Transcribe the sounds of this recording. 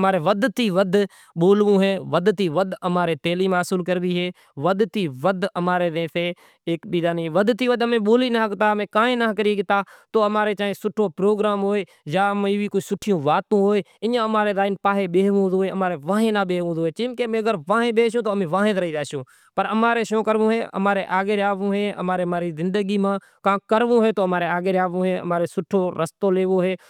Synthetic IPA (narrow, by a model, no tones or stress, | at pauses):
maːɾeːʋəd̪t̪iːʋəd̪ʱ | ɓoːlʋũːɦeːʋəd̪t̪iːʋəd̪ʱəmaːɾeːt̪eːliːmaːsʊlkəɾd̪iːɦeː | ʋəd̪t̪iːʋəd̪ʱəmaːɾeːd̪ẽːseː | eːkɓiːd̪aːniːʋəd̪t̪iːʋəd̪əmẽːɓoːliːnəːəkt̪aːmẽːkaːɦẽːnaɦkəɾiːɡɪt̪aːt̪oːəmaːɾeːt͡ʃaːẽːsʊʈʰoːpɾoːɡɾaːmɦoːeː | jaːəmĩːʋiːkoisʊʈʰijõːʋaːt̪ũːɦoːeːɪɲãːəmaːɾeːɾaːɪnpaːɦeːɓeːʋũːd̪oːeːəmaːɾeːʋãːɦẽːnaːɓeːɦʋũːd̪oːeːt͡ʃɪːmkemẽːəɡəɾʋãːɦẽːɓeːʃ̬jũːt̪oːmẽːʋãːɦẽt̪ɾəiːd͡ʒaːʃõː | pəɾəmaːɾeːʃõːkəɾʋõːɦeːə̰maːɾeʔaːɡeːɾaːʋũːɦeːə̰maːɾeːmaːɾiːzɪ̃nd̪əɡiːmãː | kãːkəɾʋũːɦeːt̪oːəmaːɾeaːɡeːɾaːʋũːɦeːə̰maːɾeːsʊʈʰoːɾəst̪oːleːʋoːɦeː